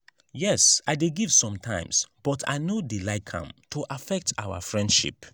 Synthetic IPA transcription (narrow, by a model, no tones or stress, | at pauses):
jɛsaɪdeɡiv̥sɔ̃mtʰãɪ̃msb̥ɔtʰa̰ɪnodilaɪkʰã̰mtʰoʔafɛk̚tʰa̰wa̰fɹɛ̃ndʃḭp